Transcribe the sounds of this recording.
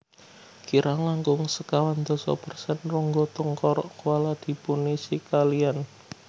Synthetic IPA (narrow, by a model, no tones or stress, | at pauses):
kiɾʔaŋaŋɡʊŋsəkawand̪ɔsɔ̰pərsɛnrʊŋɡɔt̪ʊŋkɔɾɔʔkualad̪̥i̤punisikalian